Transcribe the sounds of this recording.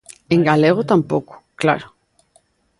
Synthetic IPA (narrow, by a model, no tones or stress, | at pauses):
eŋɡaleɣ̞ot̪ampoku̥kla̰ɾo